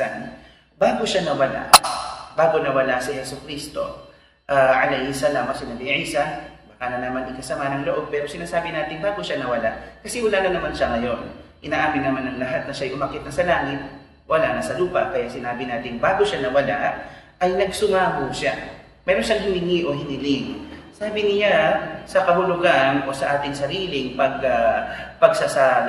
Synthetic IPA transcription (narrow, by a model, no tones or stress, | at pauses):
an | baːɡoʃanɐwɐla̰ʔbaːɡonɐwɐlasɪhɛsokɾist̪o̞̰ | ʔaʕɐlɛjhɪsɐlamɐsɪnɐd̪ɪʕiːsɐbaːkanɐnɐmaŋɪkɐsɐmanɐŋloʔo̞b̚pɛːɾo̞sɪnaːsaːbɪnaːt̪ɪŋbaːɡoʃanɐwɐlaʔkɐsɛwɐlaːnɐnɐmanʃaŋɐjo̞nʔɪnaːʔaːmɪnːɐmanːɐŋlɐɦat̪̚nɐʃaɐjʔʊmɐkɪt̪̚nɐsɐlaːŋɪt̪̚ | wʔɐlanɐsɐluːpɐ̰ʔkɐjasɪnaːbɪnaːt̪ɪŋbaːɡoʃanɐwɐlaʔ | ʔɐjnɐɡ̚sʊŋaːɦoʃa | mɛːɾo̞nʃaŋhɪnɪŋiʔo̞hɪnɪlɪŋsaːbɪnɪjasɐkɐɦʊlʊɡanʔo̞sɐʔaːt̪ɪŋsɐɾiːlɪŋpɐɡapɐɡsasal